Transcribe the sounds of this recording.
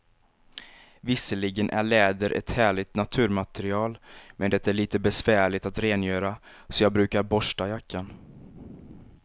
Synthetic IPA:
vɪsəlɪɡənʔæ̰ɭɛːd̪əɾʔɛ̰t̪hæːɭɪt̪nat̪ʰʉ̟ːɾmat̪ɛɾɪɑːlmʔɛnd̪ɛt̪aæɭiːt̪əbɛsvæːɭɪt̪at̪ɾeːnjøːɾa | sɔjɑːɡbɾʉ̟ːkaɾbɔʂʈajakːan

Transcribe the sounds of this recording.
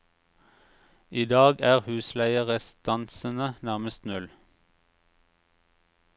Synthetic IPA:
iːd̪ɑːɡæːʁhʉːslæɪəʁəst̪ɑnsənənæʁməst̪nʉl

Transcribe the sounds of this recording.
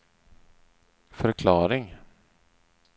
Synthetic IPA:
fœɾkʰlɑːɾɪŋ

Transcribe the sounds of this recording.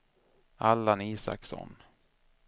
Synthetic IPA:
alːaniːsa̰ksɔ̰n

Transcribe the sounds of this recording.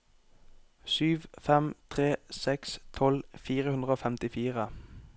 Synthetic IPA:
syːʋfɛmt̪ʰʁeːsɛkst̪ʰɔlfiːʁəhʉnd̪ʁəoːfɛmt̪ɪfiːʁə

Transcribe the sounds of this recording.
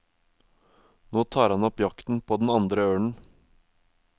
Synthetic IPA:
noːt̪ʰɑːɾhɑnɔpjɑkt̪n̩pʰoːd̪n̩ɑnd̪ɾəøːɳ̩

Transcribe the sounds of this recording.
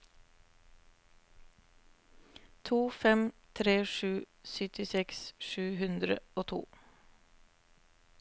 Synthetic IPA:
t̪ʰuːfɛmt̪ʰɾeːʃʉː | sʏt̪ɪsɛksʃʉːhʉnd̪ɾə̰oːt̪ʰṵː

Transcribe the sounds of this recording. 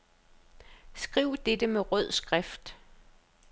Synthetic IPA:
sɡ̥ʁiʊ̰d̥ed̥əmeʁœð̞̰ˠsɡ̥ʁafd̥

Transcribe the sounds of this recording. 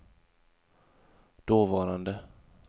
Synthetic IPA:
d̪̥oːvɑːɾand̪ə

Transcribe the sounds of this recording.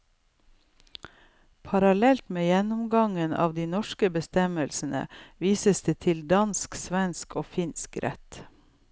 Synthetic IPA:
pʰɑɾɑlɛlt̪meːjɛnʊmɡɑŋənɑ̰ːʋd̪iːnɔʃkəbəst̪ɛməlsn̩ə̰ʋiːsəsd̪eːt̪ʰɪld̪ɑnsksʋɛnskoːfɪnskɾʔɛ̰t̪

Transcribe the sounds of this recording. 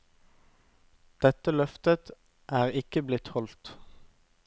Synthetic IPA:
d̪̥ɛt̪əlœft̪ət̪ | ʔæːʁɪkəblɪt̪hɔlt̪

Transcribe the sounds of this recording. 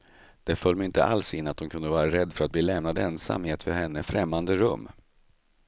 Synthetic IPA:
d̪̥ɛfœlːmɪnt̪ə̰ʔa̰lsɪnːat̪̚hʊnkʰɵnd̪əvɑːɾaɾɛd̪ːfœɾat̪̚bliːlɛmnad̪ɛnsa̰mhɪɛt̪fœɾhɛnːəfɾɛmːand̪əɾɵmː

